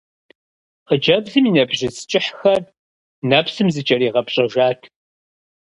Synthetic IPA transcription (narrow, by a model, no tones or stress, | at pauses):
qəd͡ʒɐvɮɨminɐbʒɪst͡ʃʼɪħxɐr | naːpsɨmzɨt͡ʃʼɐɾiːʁɐpɕʼɐʒaːtʰ